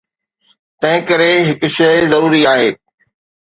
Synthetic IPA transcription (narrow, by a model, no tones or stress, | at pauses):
t̪ɐ̃ɦɪ̃kɐɾeɦɪkʊ̆ʃɐɪzɐɾuːɾiaːɦeː